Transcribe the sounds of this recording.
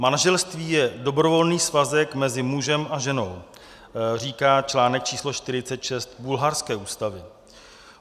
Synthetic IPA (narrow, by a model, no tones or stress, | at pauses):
manaʒɛlst̪viːjɛdo̞bɾovo̞lniːsvazɛkmɛzɪmuʒɛmʔaʒɛno̞w | r̝iːkaːt͡ʃlaːnɛk̚t͡ʃiːslo̞ʃt̪ɪɾɪtt͡sɛt̪ʃɛst̪bulɦaɾskɛːʔuːst̪avɪ